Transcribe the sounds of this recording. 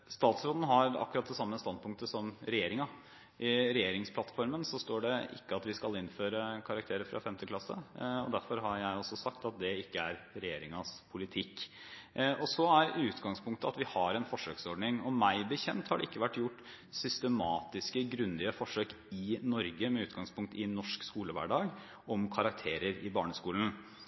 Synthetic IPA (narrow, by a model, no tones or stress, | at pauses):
st̪ɑːt̪sɾoːd̪n̩ɦɑɾɑ̰kːʉɾɑt̪̚d̪ɛsɑmːəst̪ɑnd̪̚pʰʊŋk̚t̪əsɔmɾɛjeːɾɪŋɑ | ʔɪɾɛjeːɾɪŋspʰlɑt̪fɔɾmənsɔst̪oːɖɛɪ̰kːəɑt̪ʋɪskɑlɪnføːɾəkʰɑɾɑk̚t̪ʰeːɾəɾfɾɑ̰fɛmt̪əkʰlɑsːə̰ɔ̰d̪æɾfɔɾɦɑɾjæɪɔsɔsɑkt̪ɑt̪̚d̪ɛɪkːəæɾɾɛjeːɾɪŋɑspʰʊlɪt̪ʰɪkː | ɔsɔæɾʉːt̪ɡɑŋspʰʊŋk̚t̪əɑt̪ʋɪhɑɾɛnfɔʂøːksɔɖɳɪŋɔmæɪbəçɛnt̪hɑɖɛɪkːəʋæʈːjʊʈː | sʏst̪əmɑːt̪ɪskəɡɾʉnd̪ɪəfɔʂøːk | ɪnɔɾɡəmɛʉːt̪ɡɑŋspʰʊŋkt̪ɪnɔʂkskuːləʋæ̰ːɖɑːɡ | ɔmkʰɑɾɑk̚t̪ʰeːɾəɾɪbɑːɳəskuːln̩